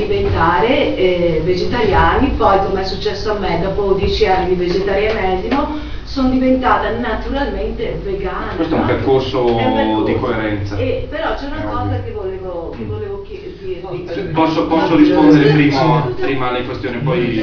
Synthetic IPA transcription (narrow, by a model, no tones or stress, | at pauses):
d̪ivent̪aːɾeved͡ʒet̪aɾjaːnipɔjkomeɛsːut͡ʃːɛsːoamːed̪ɔːpod̪jɛːt͡ʃianːid̪ived͡ʒet̪aɾjamɛd̪ino | sonod̪ivent̪aːt̪anat̪uɾalment̪eveɡaːnwest̪ɛumperkorsod̪ikoeɾɛnt̪saepeɾɔt͡ʃɛunakɔːzakevoleːvo | kevːoleːvokjɛd̪iɾepɔsːopɔsːoɾispond̪eɾepɾiːmopɾiːmaleiŋkwest̪joːnepɔj